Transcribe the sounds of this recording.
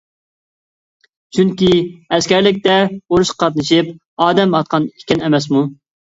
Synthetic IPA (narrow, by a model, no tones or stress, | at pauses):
t͡ʃʰyŋkʲiɛskʲɛɾlɪk̬̚ʲt̪ɛoɾuʃqɑ̥qʰɑt̪̚nɨʃip | ɑːd̪ɛmɑt̪̚qʰɑnikʲɛnɛmɛs̬mu